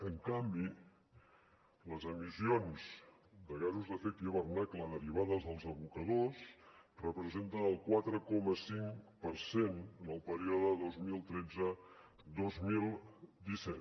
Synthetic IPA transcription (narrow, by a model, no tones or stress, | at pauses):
əŋkambi | ləzəmisionz̥ | d̪əɣazuzðəfekt̪iəβərnakləðəɾiβ̞aðəzðəlˠzəβukəðosrəpɾəzent̪ənəlˠkwat̪ɾəkɔməsiŋpəɾsenənəlˠpəɾiɔðəðozmilˠt̪ɾɛd͡zə | d̪ozmilˠd̪isɛt̪